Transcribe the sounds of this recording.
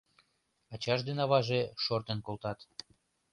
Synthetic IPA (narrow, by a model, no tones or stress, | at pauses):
ɑt͡ɕɑʃd̪enɑβɑʒeʃort̪enkolt̪ɑt̪